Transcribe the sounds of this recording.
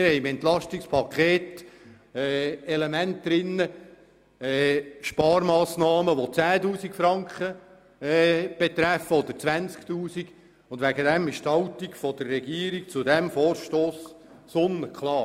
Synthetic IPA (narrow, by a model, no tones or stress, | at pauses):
ɪɾhɛɪmɛnt̪lɑʃtikspʰɑkʰeːt | ɛːɛlemɛntdɾɪnːə | ɛːʃpɑːɾmɑːsnɑːməʋot͡sæːtuːsikfɾɑŋkχə | ɛb̥et̪ɾæfəɔd̪əɾt͡sʋænt͡skt̪uːsiɡ | ʊndʋæɡədɛmɪʃthɑlt̪ikfɔd̥̪ərːɛɡiəɾik̚t͡sʊdɛmfɔːɾʃtoːs | sonəkʰlˠɑː